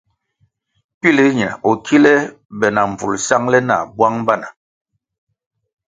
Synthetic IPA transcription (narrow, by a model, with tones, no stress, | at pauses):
pi˦li˦ɲɛ̰˨ɔ˨kʰi˦lɛ˦ | bɛ˨na˨ɱ˨b͡vṵ˨lsa˦ŋlɛ˦na̰˨bwa˦ŋba˦˨na˨